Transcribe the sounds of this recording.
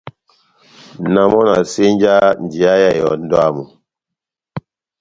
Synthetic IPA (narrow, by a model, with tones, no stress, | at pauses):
na˨mɔ˦na̰˨se˦n˦d͡ʒa˦n̩˨di˨a˦ja˦˨jɔ̰˨n̩˦dɔ˦a˦˨mu˨